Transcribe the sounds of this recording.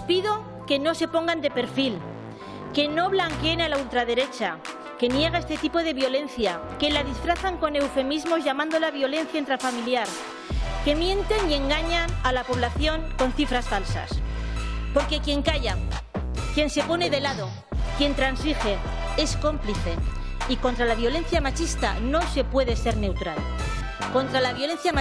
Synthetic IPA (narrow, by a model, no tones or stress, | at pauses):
piðo̞ | ke̞no̞se̞po̞ŋɡand̪e̞pe̞ɾfil | ke̞no̞βlaŋkeenalault̪ɾaðe̞ɾe̞t͡ʃa | ke̞nje̞ɣ̞aest̪e̞t̪ipo̞ðe̞βjo̞le̞nθjake̞lað̞isfɾaθaŋko̞ne̞wfe̞mizmo̞zʝamãnd̪o̞laβjo̞le̞n̟θjaent̪ɾafamiljaɾ | ke̞mjẽ̞nt̪e̞nie̞ŋɡaɲanalapo̞β̞laθjo̞ŋko̞nθifɾasfalsa̰s | po̞ɾke̞kje̞ŋkaʝa | kje̞nse̞po̞ne̞ðe̞laðo̞ | kje̞nt̪ɾansixe̞ | e̞sko̞mpliθe̞ | iko̞nt̪ɾalaβjo̞lẽ̞n̟θjamat͡ʃist̪a̰no̞se̞pwe̞ðe̞se̞ɾne̞wt̪ɾal | ko̞nt̪ɾalaβjo̞lẽ̞n̟θjama